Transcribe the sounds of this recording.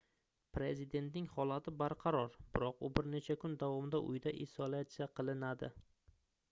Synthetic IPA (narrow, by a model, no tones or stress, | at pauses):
pɾe̞zid̪e̞nt̪nɪŋhɒlˠat̪ʰɪbaɾqʰɑɾɒɾb̥ɪɾɒqʊbɪɾne̞t͡ʃʰakʰʊnd̪avɒmd̪aʔʊ̰jd̪aʔɪsolat̪sijaqʰɨlˠɪnad̪ɪ